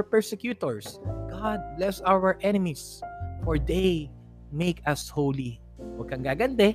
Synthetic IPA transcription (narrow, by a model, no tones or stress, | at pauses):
pɛɹsɛkjuːt̪ɔɹsɡ̥ɑd̪̚blɛsawɛɹʔɛnɪmis | fɔɹd̪ej | mekɐshowli | wɐɡ̚kɐŋɡaːɡɐnd̪ɛ